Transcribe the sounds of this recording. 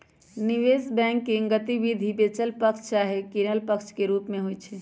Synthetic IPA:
niʋesbɛ̃ŋkːiŋɡət̪iʋid̪ʱibet͡ʃəlpəkt͡ʃʰt͡ʃaɦekiɾəlpəkt͡ʃʰkeɾupmeɦojt͡ʃʰɛ

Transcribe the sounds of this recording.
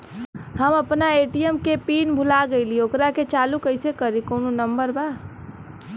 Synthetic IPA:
ɦəməpnaeːʈijəmkepiːnbʱʊlaɡəɪliokɾaket͡ʃaːlukəɪsekəɾikoːnonəmbəɾba

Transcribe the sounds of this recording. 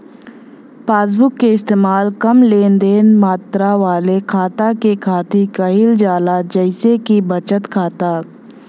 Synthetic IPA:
paːs̬bʊkːeɪst̪eːmaːlkɐmleːnd̪eːnmaːt̪ɾaʋaːlekʰaːt̪akekʰaːt̪ikɐɦɪld͡ʒaːlad͡ʒəɪsekibɐt͡ʃət̪kʰaːt̪aː

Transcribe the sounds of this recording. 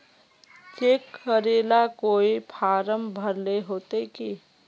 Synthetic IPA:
kekəɾelakoipʰaɾəmbʱəɾleɦot̪eki

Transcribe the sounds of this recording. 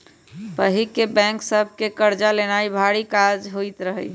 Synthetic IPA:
pəɦikebɛ̃ŋksəbʱkekəɾd͡ʒalenaibʱaɽikad͡ʒɦoit̪ɾəɦəj

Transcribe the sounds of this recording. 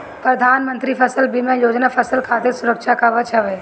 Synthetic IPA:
pɾəd̪ʱaːnmə̃nt̪ɾipʰəsəlbʱimẽjoːd͡ʒnapʰəsəlkʰaːt̪ɪɾsʊɾəkʃakaʋət͡ʃəʋeː

